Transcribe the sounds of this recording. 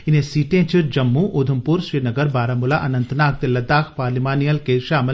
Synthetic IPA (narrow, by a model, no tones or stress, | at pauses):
ɪnẽsiːʈẽt͡ʃʰiɾd͡ʒɐmːuʔod̪ʱɐmpuɾʃɾiːnɐɡəɾbaːɾɐmʊlaʔɐnɐnt̪naːk̚d̪elːɐd̪aːkʰpaːɾlimaːnijəlkeʃaːmɪ